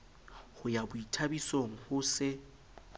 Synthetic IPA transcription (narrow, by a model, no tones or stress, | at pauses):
hʊjabʊitʰabisoŋ̩hʊsɪ